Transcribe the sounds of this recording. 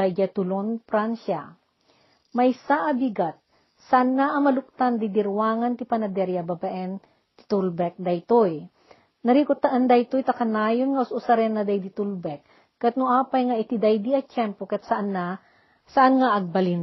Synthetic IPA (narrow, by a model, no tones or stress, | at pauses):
ajɡat̪ʊlonpɾansa | mɐjsaʔɐbiɡat̪̚ | saʔanːaʔɐmɐlʊk̚t̪and̪id̪ɪɾwaːŋɐnt̪ɪpɐnɐd̪ɛɾjabɐbɐʔɛn | t̪ɪ̥t̪ulbɛk̚d̪ɐjt̪oj | nɐɾiːkʊt̪aʔand̪ajt̪ojt̪ɐkɐnaːjonŋɐʔʊsʊsɐɾɛnːɐd̪ajd̪it̪ulbɛk̚ː | ɐt̪̚nʊʔaːpɐjŋaʔɪt̪id̪ajd̪iɐt͡ʃɛmpokɐt̪sɐʔana | sɐʔanŋaʔɐɡ̚bɐlɪn